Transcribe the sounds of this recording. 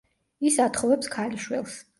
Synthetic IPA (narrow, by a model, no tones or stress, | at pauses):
isat̪ʰχɔvɛpskʰaliʃwɛlˠs